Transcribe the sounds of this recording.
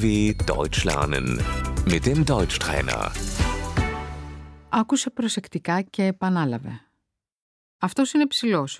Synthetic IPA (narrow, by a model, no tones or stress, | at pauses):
veːd̥ɔ̰ʏt͡ʃlɛ̰ɐnə̰nmɪt̚d̥emdɔʏt͡ʃtʁ̥ɛ̰ːnɐ̰ | ɐkuse̞pɾo̞se̞kt̪ikɐce̞ːpɐnɐlɐve̞̰ | ɐft̪o̞sinepsilo̞s